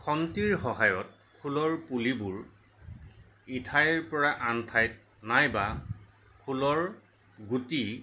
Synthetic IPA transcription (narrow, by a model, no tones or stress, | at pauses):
kʰɔntiɹxɔɦajɔt̚ | kʰulɔɹpulibuɹ | itʰajɹpɔɹaʔantʰajt | najba | kʰulɔɹ | ɡuti